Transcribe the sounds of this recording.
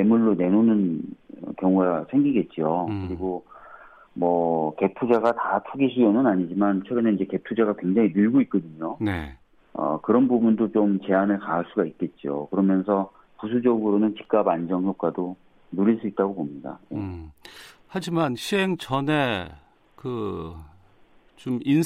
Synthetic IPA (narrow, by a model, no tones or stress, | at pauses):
e̞muɭːone̞nonɯnʌ̰kjʌŋuɡasʰe̞ŋɡiɡe̞t̚t͡ɕ͈ijokɯɾiɡo | mʌke̞pʰud͡ʑaɡatatʰuɡiɕ̬ʰijʌnɯnaɲid͡ʑimant͡ɕʰʌɾɯneid͡ʑe̞ke̞pʰud͡ʑaɡakwe̞ŋd͡ʑaŋinɯɭɡoit̚k͈ʌdɯɲone̞̰ | ʌ̰kɯɾʌnbubundot͡ɕomt͡ɕe̞anɯɭkaɦaɭs͈uɡait̚k͈e̞t̚t͡ɕ͈io̰kɯɾʌmjʌns̬ʰʌ | pus̬ʰud͡ʑʌɡɯɾonɯnt͡ɕi̥k̚k͈aband͡ʑʌŋçjok̚k͈ado | nuɾiɭs͈uit̚t͈aɡopomɲida̰jḛ | had͡ʑimanɕʰiɦeŋt͡ɕʌne̞ | kɯ | t͡ɕomin